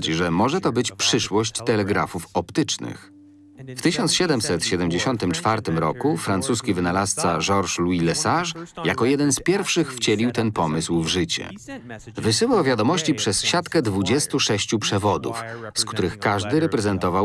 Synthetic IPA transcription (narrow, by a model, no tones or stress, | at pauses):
t͡ɕʐɛmɔʐɛt̪ɔbɘt͡ɕpʂɘʂwɔɕt͡ɕt̪ɛlɛɡɾa̰fufɔpt̪ɘt͡ʂnɘ̰x | ft̪ɘɕɔnt̪sɕɛd̪ɛmsɛt̪ɕɛd̪ɛmd͡ʑeɕɔnt̪ɘmt͡ʂfaɾt̪ɘmɾɔ̰kufɾant̪suskʲivɘnalast̪sa̰ʐɔɾʂluilɛsaʂja̰kɔjɛd̪ɛnspʲjɛɾfʂɘxft͡ɕɛlʲiwt̪ɛnpɔmɘswvʐɘt͡ɕɛ̰ | vɘsɘwawvʲjad̪ɔmɔɕt͡ɕipʂɛsɕat̪kɛd̪vud͡ʑɛst̪uʂɛɕt͡ɕupʂɛvɔd̪ṵfskt̪uɾɘxkaʐd̪ɘɾɛpɾɛzɛnt̪ɔvaw